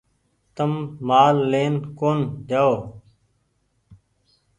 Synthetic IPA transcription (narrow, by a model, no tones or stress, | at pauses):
t̪ɐmːaːlːeːnkoːnd̪jaːo